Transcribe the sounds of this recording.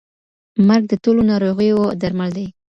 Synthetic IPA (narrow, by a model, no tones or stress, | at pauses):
maɾɡ̚d̪ətolonɑɾoɣəjod̪aɾmald̪aj